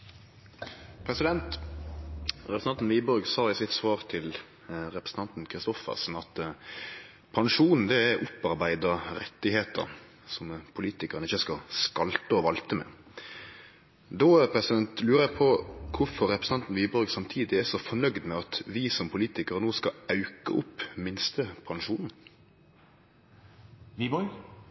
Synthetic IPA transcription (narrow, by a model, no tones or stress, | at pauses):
pʰɾɛsɪd̪ɛnt̪ | ɾɛɾsn̩ɑnn̩ʋiːbɔɾɡsɑːɪsɪt̪sʋɑːɾt̪ʰɪl | ɾɛpɾəsn̩t̪ɑnt̪n̩kʰɾɪst̪ɔfə̰sn̩ɑt̪ | pʰɑnʂuːnn̩d̪ɛæʔʊpɑɾbæɪd̪əɾɛt̪ːɪheːt̪ə̰ɾ | sɔmpʰʊliːt̪ɪkəʁənɪçəskɑskɑlt̪əɔʋɑlt̪əmɛ̰ | d̪oːpʰɾɛsɪd̪ɛnt̪lʉːɾəɛpʰɔkʰʊfɔɾːɛpɾəsn̩ɑnt̪n̩ʋiːbɔɾɡsɑmt̪ʰiːd̪ɪæsɔfɔnœɡd̪mɛɑt̪ʋɪsɔmpʰʊliːt̪ɪkəɾnoːskɑɑʉkəʔʊpːmɪnst̪əpʰɑŋʂuːnn̩ | ʋibɔ